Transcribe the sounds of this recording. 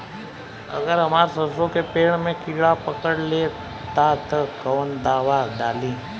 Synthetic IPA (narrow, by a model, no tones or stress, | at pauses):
ə̰ɡəɾɦəmaːɾsəsõkepeːɳmẽkɪɭapəkəɽle | t̪at̪əkəːnd̪aːʋaɖaːliː